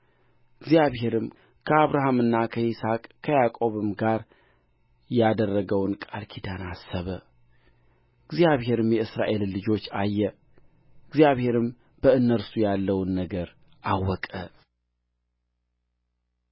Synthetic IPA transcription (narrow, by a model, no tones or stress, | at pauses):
ɨɡzijaβhe̞ɾɨm | kʰəaβɾaɦamɨnːakʰəisakʼkʰəjakʼo̞βɨmɡaɾ | jad̪ərːəɡəwnkʼalkʰid̪anasːəβə | ɨɡzijaβhe̞ɾɨmjɛɨsɾa̰ʔe̞llɨd͡ʒo̞t͡ʃːajːɛ | ɨɡzjaβhe̞ɾɨm | b̥əɨnːəɾsujalːəwnːəɡəɾ | ʔawːɔkʼə